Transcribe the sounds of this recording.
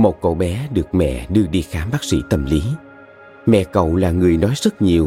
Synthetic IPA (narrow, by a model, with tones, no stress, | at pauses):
mo˨˩t̚ko̰˧˩ɓɛ˨˦ɗɨ˨˩ək̚mɛ̰˧˨ɗɨ˧əɗi˧˩xaː˨˦mɓaː˦˥k̚sḭ˧˥t̪ə˨˩mli˨˦ | mɛ̰˧˨kə̰˧˨wlaː˨˩ŋɨ˨˩əjnɔ˨˦jzə˦˥t̚ɲi˨˩əw